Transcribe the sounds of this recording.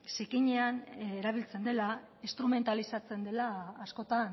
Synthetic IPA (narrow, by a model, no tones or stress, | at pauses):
sekiɲeaneɾaβ̞ilt͡se̞nd̪e̞la | ist̪ɾume̞nt̪alisat͡se̞nd̪e̞laːsko̞t̪an